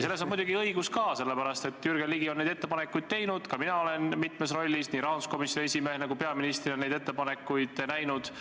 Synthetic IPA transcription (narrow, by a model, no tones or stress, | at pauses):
se̞lːesomujd̪uɡ̥iɤiɡuskɑːse̞lːepæɾɑst̪e̞t̪ːjyrɡ̥eliɡioned̪e̞t̪ːe̞pɑnekːˑujd̪̥̚t̪e̞jnud̪̥kɑminɑo̞le̞nmit̪me̞s̬ro̞lʲːisniɾɑːnusko̞misesʲimehnæɡupe̞ɑminist̪rinːejd̪et̪ːe̞pɑne̞kːˑujd̪̥næjnud̪̥